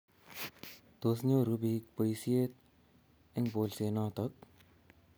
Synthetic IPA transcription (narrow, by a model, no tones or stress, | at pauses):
t̪os̬ɲoːɾubiːk̚pəjsiet̪̚ | eŋboːlseːnaːt̪ɐk̚